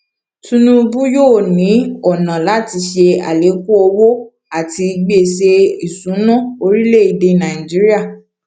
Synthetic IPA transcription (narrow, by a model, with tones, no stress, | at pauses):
tũ˦nũ˦˧bu˦joː˦˨nĩ˨˦ɔ˨nã˨la˨˦ti˧ʃe˧a̰˨le˨˦ko˦o˧wo˦ | a˦˨ti˧ɡ͡be˦˨se˧i˨sũ˨˦nã˦˨o˧ɾi˦le˦˨i˨˧˨de˧nã˨i˨d͡ʒi˨˦ɾi˦a˦˨